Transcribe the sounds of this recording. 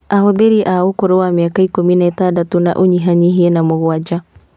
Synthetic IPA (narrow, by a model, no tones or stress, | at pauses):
aɦoðeɾiʔaokoɾowamiakaikominaetadatona̰ʔoɲiɦaɲiɦiɛnamoɣwad͡ʒa